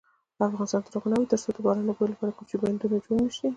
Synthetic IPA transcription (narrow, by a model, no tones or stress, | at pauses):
afɣɑnɪst̪ɑnt̪əɾoɣnawit̪əɾsod̪əbɑɾɑnlaboelapɑɾakomt͡ʃeband̪unad͡ʒwanʃi